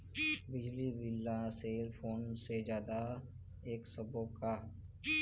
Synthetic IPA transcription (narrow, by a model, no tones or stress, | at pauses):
bɪd͡ʒlibɪlːaseːlpʰoːnsed͡ʒjaːd̪a | eːksɐboka